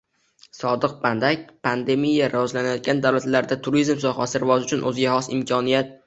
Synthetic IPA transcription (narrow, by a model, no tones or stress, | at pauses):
sɒd̪ɨq̚band̪ak̚ʲpʰand̪e̞mijːaɾʔaɒzlanajɒt̪̚ɡʲand̪awlat̪laɾd̪at̪ʰʊɾizmsɒhasɪɾvɒzʊt͡ʃʰʊnʔɵzɡʲahɒsɪmkʲʰɒnijat̪̚